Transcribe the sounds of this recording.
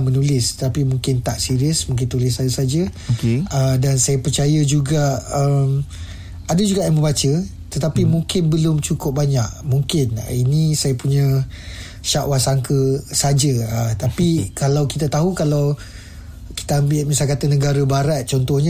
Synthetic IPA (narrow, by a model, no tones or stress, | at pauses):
mə̃nulɪst̪ət̪apimuŋkɪnt̪aʔsiɾiəsmũŋk̬ɪnt̪ulɪsaəsad͡ʒə | ədansajapərt͡ʃajəd͡ʒuɡaəm | adəd͡ʒuɡaʔjaŋməmbat͡ʃə | t̪ət̪apimũŋkɪnbəlʊmt͡ʃukʊp̚baɲaʔmũŋkɪn̰inĩsajapuɲã | ʃaʔwasaŋkəsad͡ʒəət̪apikalawkit̪at̪aɦukalaw | ki̥t̪aambɪlmisalkat̪anə̃ɡaɾəbaɾat̪̚t͡ʃɔnt̪ɔhɲə